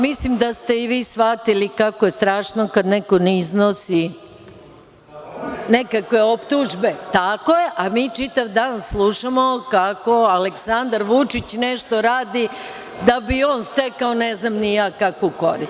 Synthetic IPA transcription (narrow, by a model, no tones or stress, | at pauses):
mislimd̪ast̪e̞iʋiːsʋat̪ilikakojest̪ɾaːʃnokad̪nekonɛiznosi | nekakʋe̞opt̪uʒbe̞t̪akojeʔamiːt͡ʂit̪aʋd̪aːnslˠuʃamokako̞aleksand̪aɾʋut͡ʂit͡ɕneʃt̪o̞ɾaːd̪i | d̪abioːnst̪ekaoneznamnijaːkakokoɾist̪